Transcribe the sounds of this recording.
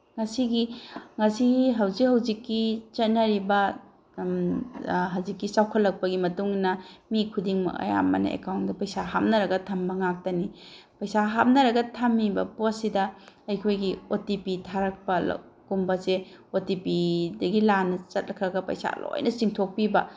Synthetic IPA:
ŋɐsiɡiŋɐsiɦɐwzik̚hɐwzikːit͡ʃɐt̚nɐɾibɐ | ɦawzikːisawkʰɐtlːɐk̚pɐɡimɐtuŋnɐmikʰudiŋmɐ̰ɐ̰ja̰mːɐ̰nɐ̰ḛkawndɐpɐjsaɦap̚nɐɾɐɡɐtʰɐmbɐŋak̚tɐni | pɐjsaɦap̚nɐɾɐɡɐtʰamːibɐ̰posidɐɐjkʰojɡiotipitʰaɾɐk̚pɐl̰kumbɐseotipidɐɡilanɐt͡ʃɐt̚lɐkʰɾɐɡɐpɐ̰jsa̰lo̰jnʔɐt͡ʃiŋtʰok̚pibɐ

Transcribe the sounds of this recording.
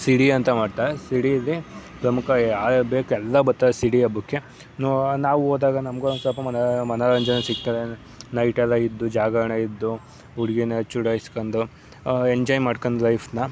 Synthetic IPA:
siɽiɐnt̪ɐmaːɖt̪aːɾesiɽiɐlːipɾɐmukʰɐaːbeːkuɛlːɐbɐɾt̪aɾesiɽiɐbukːe | nonaːʋuoːd̪aːɡɐnɐmɡonsɐlpɐmɐnmɐnaːɾɐɲd͡ʒɐnɐsikt̪ad̪e | nɐjʈɛlːɐid̪ːud͡ʒaːɡɐɐɳɐid̪ːu | uɽɡinɐt͡ʃuɽaːjiskoɳd̪u | eɲd͡ʒɔːjmaːɽkoɳd̪lɐjpʰnɐ

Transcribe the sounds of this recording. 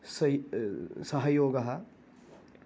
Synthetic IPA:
s | sɐɦɐjoːɡɐɦɐ

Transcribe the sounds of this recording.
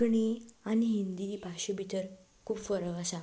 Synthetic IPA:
ɳianiɦind̪ibʱaɕəbʱit̪əɾ | kʰuːbfəɾəʋasa

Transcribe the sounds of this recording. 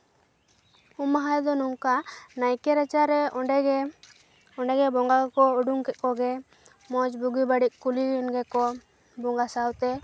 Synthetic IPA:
umaɦajd̪ɔnuŋkanajkɛɾat͡ʃaɾɛɔɖɛ | ɔɳɖɛɡɛbɔŋɡakɔuɖuŋkɛt̪̚ˀkɔɡɛ | mɔd͡ʒbuɡibaɽiʔ̚kuliɔnɡɛkɔ | bɔŋɡasawt̪ɛ

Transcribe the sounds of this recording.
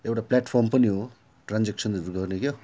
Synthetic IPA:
ewʈaplaʈpʰɔɾmpʌniɦo | ʈɾand͡zek̚sʌnduɾuɡʌrnekjo

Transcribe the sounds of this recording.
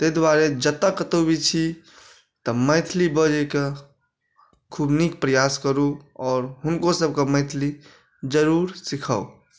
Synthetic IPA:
t̪ed̪waɾed͡ʒət̪əkət̪obit͡ʃʰi | t̪əməɪt̪ʰlibəd͡ʒəke | kʰubnik̚pɾəjaskəɾuɔːɾɦʊnkosəb̚kemə̃ɪt̪ʰli | d͡ʒəɾuɾsikʰəo

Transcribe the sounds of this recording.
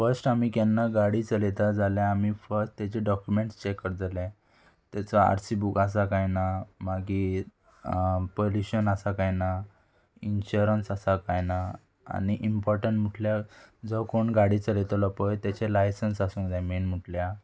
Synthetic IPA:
fəɾsʈamiːkanːaɡaɽit͡səlet̪ad͡zaljaamifəɾsʈt̪at͡ɕeɖɔkjumẽɳʈst͡ɕekːəɾd͡zalɛ̃ | t̪jat͡sɔa̰ɾsibukas̬akajnamaɡi | poluɕənasakajna | inɕuɾənsasakajna | a̰niʔimpɔɾʈəɳʈm̤uʈljad͡zɔkoɳɡaɽit͡səlet̪lɔpəjt̪jɛt͡ɕelajsənsasũːŋkd͡zajmenm̤uʈlja

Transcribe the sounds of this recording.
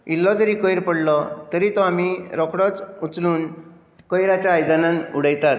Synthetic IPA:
ilːɔd͡zəɾikɔjɾpəɽlɔt̪əɾit̪ɔamiɾɔkɽɔt͡sut͡sluːn | kɔjɾat͡ɕjaːjd͡zananuɽəjt̪at̪̚

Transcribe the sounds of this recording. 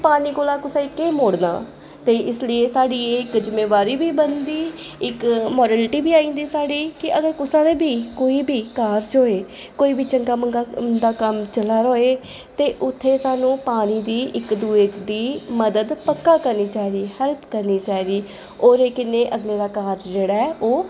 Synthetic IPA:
paːniːkoːlaːkʊsãːɪkːeːmoːɽna̰ː | t̪eːʔɪslieːsaːɖiːeːɪkd͡ʒɪmeːʋaːɾiːbiːbənd̪iː | ɪkmɔːɾɛːlʈiːbiːaːĩːnd̪iːsaːɽiːkɪʔəɡəɾkʊsãːd̪eːbiːkoːiːbʱiːkaːɾd͡ʒoːeː | koːiːbʱiːt͡ʃəŋɡaːməŋɡad̪aːkəmt͡ʃəlaːɾoːeː | t̪eːʔʊt̪ʰːeːsaːnũːpaːñiːd̪iːʔɪkd̪uːeːd̪iːməd̪əd̪pəkːaːkəɾniːt͡ʃaːid̪iːhɛlpʰkəɾniːt͡ʃaːiːd̪iː | oːɾeːkɪneːʔəɡleːɾaːkaːɾd͡ʒd͡ʒeːɽaːɛːʔoː

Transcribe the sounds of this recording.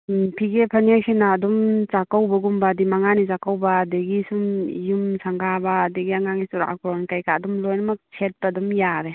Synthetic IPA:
pʰiɡepʰaniajkʰenaːdɔmt͡ʃakawbɐɡumbadimaŋanizakawbadeɡisumjumsʰaŋɡabaːdeɡiaŋaŋisuɾa̰ʔakɾɔnkajkadɔmlɔjnɐmɐk̚sʰet̚badɔmjaɾe

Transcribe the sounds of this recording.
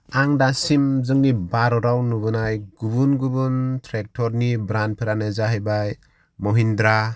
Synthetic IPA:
aŋdasimzɯŋnibaɾɔɾawnubɯnajɡubunɡubuntʰɾek̚tʰɔɾnibɾan̚pʰiɾanezaɦajbaj | mɔɦindɾa

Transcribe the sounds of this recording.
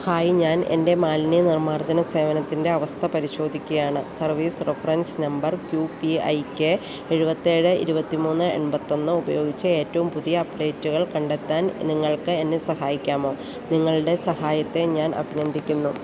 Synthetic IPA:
ɐhaːjiɲaːne̞̰nde̞maːlnjɐnirmaːrd͡ʑɐnɐse̞ːʋɐnɐt̪ːinde̞ɐʋɐst̪ʰɐpɐɾiɕo̞ːd̪ʱikʲːɐjaːɳɨsɐrʋiːsrefɐrɐnsnɐmbɐrkjupiɐ̰jkʲːɨ | e̞ɻubɐt̪ːieːɻɨḭɾubɐt̪ːimuːnːɨe̞̰nbɐt̪ːo̞nːɨubɐjo̞ːɡit͡ɕːɐe̞ːtːɐʋumpuðijɐːpɖe̞ːtːuɣɐɭkɐɳɖe̞t̪ːaːnniŋːɐɭkɨe̞nːesɐhaːjikʲːaːmo̞ː | niŋːɐɭɽe̞sɐhaːjɐt̪ːe̞ɲaːnʔɐ̰bʱinend̪ʱikʲːunːu

